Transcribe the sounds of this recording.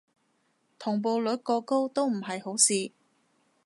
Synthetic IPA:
t̪ʰʊ˨˩ŋp̬o˨˧wlɵ˨˥t̚kɔː˧ko˥wt̪o˥wm̩˨˩ɦɐ˨jɦo˨˥wsiː˨˧

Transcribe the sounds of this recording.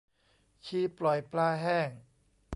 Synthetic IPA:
t͡ɕʰiː˧˩plɔ˨˩jplaː˧ɦɛː˥˩ŋ

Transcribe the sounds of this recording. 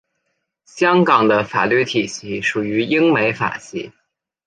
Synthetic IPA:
ɕjɑ˥ŋkɑ˨˩ŋd̪ə˦fa̰˨˩ly˥˩t̪ʰi˨˩ɕi˥ʂu˨˩y˧˥i˥ŋme˧˥ɪfa̰˨˩ɕḭ˧˥

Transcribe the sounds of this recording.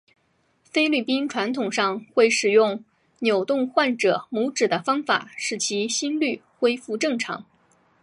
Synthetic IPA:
fe˥ɪly˥˩pi˥nʈ͡ʂʰwa˧˥nt̪ʰʊ˨˩ŋʂɑ˥˧ŋxwe˥˩ɪʂɻ̩˨˩jʊ˥˧ŋ | njo˨˩ʊt̪ʊ˥˧ŋxwa˥˩nʈ͡ʂɤ˨˩˦mu˧˥ʈ͡ʂɻ̩˨˩d̪ə˦fɑ˥ŋfa̰˨˩˦ʂɻ̩˥˩t͡ɕʰi˧˥ɕi˥nly˥˩xwe˥ɪfu˥˧ʈ͡ʂɤ˥˩ŋʈ͡ʂʰɑ̰˧˥ŋ

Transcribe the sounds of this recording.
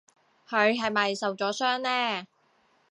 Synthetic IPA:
hʰɵ˨˧ɥɦɐ˨jmɐ˨jsɐ˨wt͡sɔː˨˥sœː˥ŋnɛː˥

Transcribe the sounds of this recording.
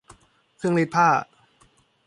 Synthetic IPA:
kʰɯ˥˧əŋli˦˥t̪̚pʰaː˥˩

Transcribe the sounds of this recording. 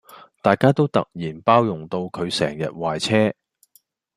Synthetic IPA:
t̪aː˨jkaː˥t̪o˥wt̪ɐ̰˨k̚jiː˨˩npaː˥wjʊ˨˩ŋt̪o˧wkʰɵ˨˧ɥsɛ̰ː˨˩ŋjɐ̰˨t̚waː˨jt͡sʰɛː˥

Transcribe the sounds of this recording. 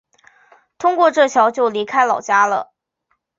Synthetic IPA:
t̪ʰʊ˥ŋkwɔ˥˧ʈ͡ʂɤ˥˩ɕjɑ˧˥ʊt͡ɕjo˥˩ʊli˧˥kʰa˥ɪlɑ˨˩ʊt͡ɕja˥lə̰˨

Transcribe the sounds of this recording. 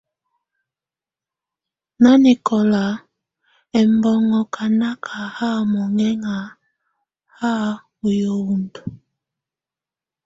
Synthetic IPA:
na˦ni˨kɔ˨la˨ | ɛ˨mbɔ˦ŋɔ˨kʰa˨na˦kʰa˨ha˦˨mɔ˨ŋɛ˦ŋa˨ | ha˦ | o˨jo˨wu˨ndu˨

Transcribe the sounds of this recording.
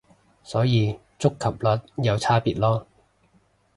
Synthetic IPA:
sɔː˨˥jiː˨˧ | t͡sʊ˥kʰːɐ˨˩p̚lɐ˨˥t̚jɐ˨˧wt͡sʰaː˥piː˨t̚lɔː˥

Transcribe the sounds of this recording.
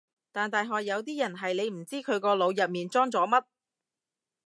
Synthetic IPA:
t̪aː˨˩nt̪aː˨jɦɔː˨jːɐ˨˧wt̪̬iː˥jɐ˨˩nɦɐ˨jne˨˧jm̩˨˩t͡siː˥kʰɵ˨˧ɥkɔː˧lo˨˧wjɐ˨p̚miː˨nt͡sɔː˥ŋt͡sɔː˨˥mɐ˥t̚

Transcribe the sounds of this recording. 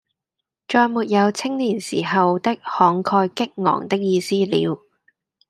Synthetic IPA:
t͡ʃɔː˧jmuː˨t̚jɐ˨˧wt͡sʰɪ˥ŋliː˨˩nsiː˨˩ɦɐ˨wt̪ɪ˥k̚hɔː˨˧ŋkʰɔː˧jkɪ˥k̚ŋɔ̰ː˨˩ŋt̪ɪ˥k̚jiː˧siː˥lḭː˨˧w

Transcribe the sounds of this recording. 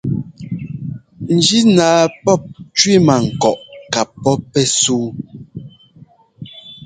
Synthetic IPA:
n̩˨d͡ʒi˦naː˨˦pɔ˦˨p̚t͡ʃwi˦ma˨ŋ̩˨kɔ˨ʔka˨pːɔ˦pːɛ˦suː˦

